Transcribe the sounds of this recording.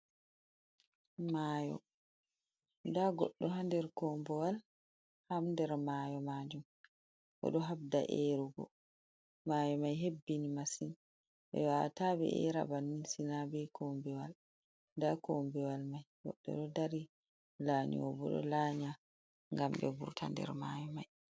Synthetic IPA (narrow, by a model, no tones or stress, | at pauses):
maːjɔ̰ | ndaɡɔɗːɔɦandɛɾkɔmbɛwal | hamndɛɾmajɔmad͡ʒum | ʔɔ̰ɗɔɦab̚da̰ʔeɾuɡɔ̰ | majɔmajɦebːinimasin | ɓɛ̰watabɛ̰ʔɛ̰ɾa̰banːisinabɛkʰɔmbɛwal | ndakɔmbɛwalmajɡɔ̰ɗːɔ̰ɗɔdaɾi | laɲḭwɔbɔ̰ɗɔ̰laːɲa | ŋɡamɗɛ̰bṵɾtʰa̰ndɛ̰ɾmajɔmaj